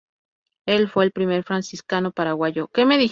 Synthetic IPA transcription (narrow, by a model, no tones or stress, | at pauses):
e̞lfwe̞ːlpɾime̞ɾfɾansiskano̞paɾaɣwaʝoke̞me̞ði